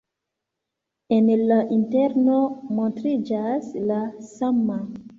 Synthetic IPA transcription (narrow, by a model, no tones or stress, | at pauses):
enlaʔinte̞ɾnomontɾid͡ʒaslasama